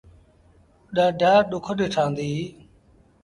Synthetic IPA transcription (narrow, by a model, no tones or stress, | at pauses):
ɗaːɖʱaːɗʊkʰəɗeːʈʰãːnd̪iː